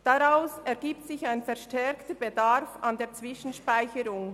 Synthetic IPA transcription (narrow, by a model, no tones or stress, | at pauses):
d̥aʁaʊsɛʁɡiːp̚tsɪçaɪnfɛɐʃtɛɐktəbedaʁfandeːɐt͡sv̥ɪʃn̩ʃpaɪçəɾʊŋ